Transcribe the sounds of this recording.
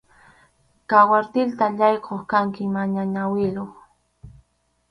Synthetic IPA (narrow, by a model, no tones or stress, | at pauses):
kawaɾt̪ɪlt̪aʎɑjqʰoχkaŋkɪmaɲaɲawɪloχ